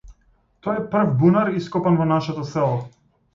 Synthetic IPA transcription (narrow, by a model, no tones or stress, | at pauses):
t̪ɔɛpr̩vbunaɾiskɔpanvɔnaʃat̪ɔsɛlˠɔ